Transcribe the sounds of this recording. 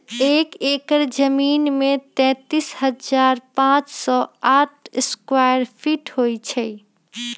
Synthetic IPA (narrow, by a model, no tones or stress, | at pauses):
ekekəɾd͡ʒəminmet̪ɛ̃t̪ishəd͡ʒaɾpãt͡ʃsɔaʈ̚ʰeskwajəɾpʰiʈɦojt͡ʃʰə